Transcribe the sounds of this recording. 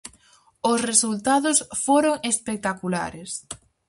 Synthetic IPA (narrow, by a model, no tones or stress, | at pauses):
ʊsresult̪aðʊsfoɾoŋespek̚t̪akula̰ɾes